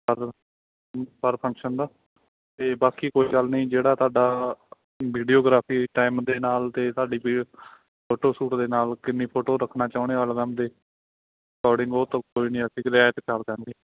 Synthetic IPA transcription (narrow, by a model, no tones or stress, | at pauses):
pəɾ | pəɾpʰə̃ŋkʃənd̪aː | t̪eːbaːkiːkoːiːɡəlnĩːd͡ʒeːɽaːt̪ʊaːɖaː | ʋiːɖioːɡɾaːpʰiːʈaːɪmd̪eːnaːlt̪eːt̪aːɖiːpi | pʰoːʈoːsuːʈd̪eːnaːlkɪnːĩːpʰoːʈoːɾəkʰnaːt͡ʃaːʊneːəlʋɛːmd̪eː | kɔːɖɪ̃ŋɡoːt̪ãkoːiːnĩːəsikɾɪaːt̪kʰəɾkənɡeː